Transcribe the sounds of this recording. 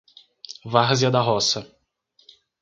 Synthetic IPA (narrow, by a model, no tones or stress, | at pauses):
vaʁziɐd̪ɐɦɔsɐ